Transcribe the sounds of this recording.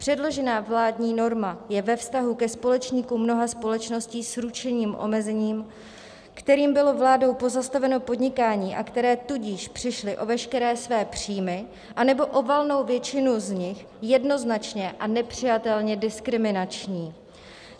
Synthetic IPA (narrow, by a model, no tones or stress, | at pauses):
pr̥ɛdlo̞ʒɛnaːvlaːdɲiːno̞ɾmajɛvɛfst̪aɦukɛspo̞lɛt͡ʃɲiːkumːno̞ɦaspo̞lɛt͡ʃno̞sciːsɾut͡ʃɛɲiːmʔo̞̰mɛzɛɲiːm | kt̪ɛɾiːmbɪlo̞vlaːdo̞wpo̞zast̪avɛno̞po̞dɲɪkaːɲiːʔakt̪ɛɾɛːt̪uɟɪʃpr̥ɪʃlɪʔo̞vɛʃkɛɾɛːsvɛːpr̝̥iːmɪ | ʔanɛbo̞ʔo̞valno̞wvjɛt͡ʃɪnuzɲɪx | jɛdno̞znat͡ʃɲɛʔanɛpr̝̥ɪjat̪ɛlɲɛdɪskɾɪmɪnat͡ʃɲiː